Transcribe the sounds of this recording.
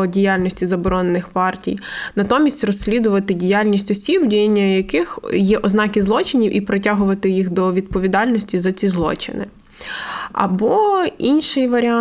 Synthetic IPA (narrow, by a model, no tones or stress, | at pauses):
ɔdʲijalʲnʲɔsʲtʲizɐbɔɾɔnenɪxpɑrtʲḭjnɐt̪ɔmʲisʲtʲrɔsʲːlʲid̪ʊʋɐt̪ɪdʲijalʲnʲisʲtʲɔsʲibdʲijnʲːɐjɐkɪxjɛʔɔznɑkɪzlˠɔt͡ʃɪnʲiwʔipɾɔtʲaɦʊʋɐt̪ɪjixd̪ɔʋʲid̪pɔʋʲid̪ɑlʲnɔsʲtʲizɐt͡sʲizlˠɔ̰t͡ʃɪ̰nɪ̰ | ɐ̰bɔinʃɪjʋɐɾʲɪɑ